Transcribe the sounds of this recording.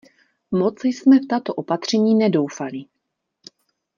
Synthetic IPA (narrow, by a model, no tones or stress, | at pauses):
mot͡sjsmɛft̪at̪oʔopat̪r̝̥ɛɲiːnɛdo̞wfali